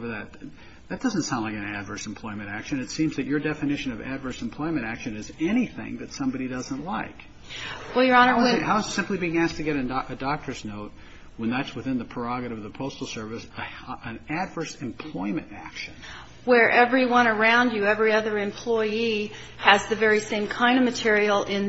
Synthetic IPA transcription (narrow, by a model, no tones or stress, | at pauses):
və˞ðɨt̪̚ | ðɨt̚d̥ʌz̃n̩tsãʊ̃ndˡlaɪkɨ̃næ̰dvɜ˞sm̩pʰl̥ɔɪmɨ̃ɾtækʃɨ̃nɨtsĩmzðɨt͡ʃə˞dɛfɨnɪʃɨ̃nʌvæ̰dvɜ˞sm̩pʰl̥ɔɪmɨ̃ɾ̃ækʃɨ̃nɨzɛɾ̃iθɪ̰̃ŋðɨtsʌ̃mbɑɾidʌzə̃nʔlaɪk | wɛlˠjə˞ɑnə˞ɨhaʊzsɪ̃mplibiɪ̃ŋæsk̚tʰɨɡɛɾɨ̃nʔɨdɑk̚tʰə˞znoʊt̚ | wə̃nðætswɨθɪ̃nðɨpʰɹ̥ə˞ɑɡɨɾɨʌvðəpʰoʊstl̩ˠsɜ˞vɨsɨ̃nɨdvɜ˞sɨ̃mpʰl̥ɔɪmɨ̃ntæ̰kʃɨ̃n | wə˞ʔɛvɹiwʌ̃ñə˞ãʊ̃nd͡ʒɨɛvɹiʌðə˞ɨ̃mpʰl̥ɔɪi | ɨzðɨvɛɹisẽɪ̃mkʰãɪ̃ndʌvmɨtʰɪɹil̩ˠɪ̃n